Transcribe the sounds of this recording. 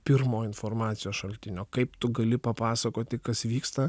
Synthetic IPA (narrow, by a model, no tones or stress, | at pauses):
pʲɪɾmoːɪnfoːrmɑːt̪sʲɪjoːsʃɐlʲt̪ʲɪnʲoːkɐɪpt̪ʊɡɐlʲɪpɐpɑːsɐkoːt̪ʲɪkɐsʋʲiːkst̪ɐ